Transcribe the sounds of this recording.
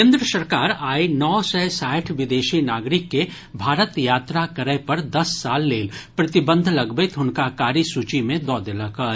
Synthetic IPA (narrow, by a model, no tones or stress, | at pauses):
kẽːnd̪ɾəsəɾkaːɾaːinɔːsɛsaːʈʰʋɪd̪eːʃinaːɡɾɪkːe | bʱaːɾət̪jaːt̪ɾakɐɾəpɐɾd̪ɐsːaːlːeːlpɾɐt̪ɪbə̃nd̪ʱlɐɡbɪt̪ʰʊnkakaːɾisuːt͡ʃimẽd̪ɔːd̪ɪləka